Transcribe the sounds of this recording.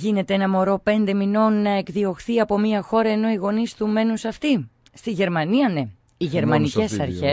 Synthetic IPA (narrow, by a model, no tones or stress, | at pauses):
ʝine̞t̪eenɐmo̞ɾo̞pe̞nd̪e̞mino̞nːɐe̞kðio̞xθiɐpo̞miɐxo̞ɾɐe̞no̞iɣo̞nist̪ume̞nusɐft̪i | st̪iʝe̞ɾmɐniɐne̞ | iʝe̞ɾmɐnice̞sɐɾçe̞s